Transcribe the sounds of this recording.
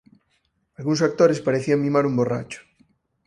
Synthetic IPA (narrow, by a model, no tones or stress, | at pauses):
alɣunsak̚t̪oɾespaɾeθiamĩmaɾumbora̰t͡ʃo̥